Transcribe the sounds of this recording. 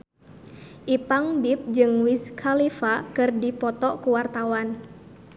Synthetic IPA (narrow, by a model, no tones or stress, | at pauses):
ʔipaŋbip̚d͡ʒɨŋwiskʰalifakɨrdipɔt̪ɔkuwart̪awan